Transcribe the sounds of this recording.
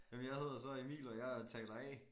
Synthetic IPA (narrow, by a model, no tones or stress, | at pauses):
jæmnjɑ̈ɪɦe̝ð̞̰ˠɐsɒ̽emḭːlɒjaɪt͡sʰɛl̥ɐɛ̰